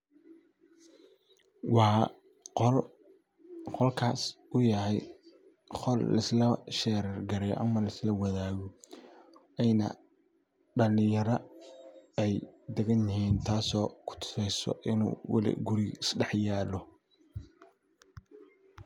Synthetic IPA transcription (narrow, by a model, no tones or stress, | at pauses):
wɑː | qɔlkʰaːsʊjɐhɛj | χɔllɐ̰slɐʃɛːɾɛrɡɐɾɛj̰ʔɐmɐlɐslɐwɑðaːɣɔ | ɛjnɐ̰ | ɖɐlɪjɐɾɐ | ɛjd̪ɛɣɐnjɪhiːnt̪ʰaːsɔːkʰʊ̥t̪ʰʊ̥sɛjsɔ̰ʔɪnṵːwɑ̰lɪ̰ɡʊɾɪɪsɖɛħjaːlɔ